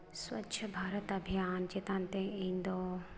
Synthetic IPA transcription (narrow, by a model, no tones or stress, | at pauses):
swɐ̰tːʃʰəbʱaːɾət̪ɐbʱijaːnd͡ʒeːt̪ãːnt̪ẽĩːnd̪oː